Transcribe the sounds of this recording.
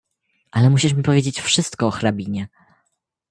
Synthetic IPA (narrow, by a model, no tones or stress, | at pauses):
ʔalɛmuɕiʂmʲipɔvʲjed͡ʑet͡ɕfʂɘst̪kɔːxɾabʲiɲɛ